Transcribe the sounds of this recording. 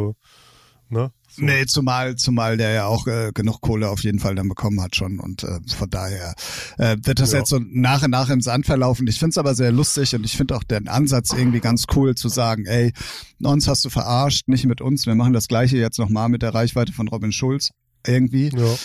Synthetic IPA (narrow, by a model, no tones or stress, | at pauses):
o | nə | nət͡sumaːlt͡sumaːldeːɐjaːaʊxʔɛːɡ̥ənʊχkʰoːləaʊfjeːdn̩faldanbəkʰɔmənhatʃoːnʊ̰ntʔɛ̰ːmfɔndaːheːɐʔɛːmvɪɐt̚d̥asjɛt͡stz̥oːnaːχʊntnaːχɪmzantfɛɐlaʊfn̩ɪçfɪntsʔaːbɐzeːɐlʊstɪçʊntɪçfɪndəaʊxd̥enʔa̰nzat͡sʔɪɐɡŋ̩tv̥iːɡant͡skʰuːlt͡suzaːɡŋ̩ʔɛɪ | ʔʊnshast̚d̥uːfɛɐʔaɐʃtnɪçtmɪtʔʊnsv̥iːɐmaχn̩dasɡ̥laɪç̬əjɛt͡stnɔχmaːlmɪt̚d̥eːʁaɪçv̥aɪtəfɔnʁɔbɪnʃʊlt͡s | ʔɪɐɡŋ̩tv̥iː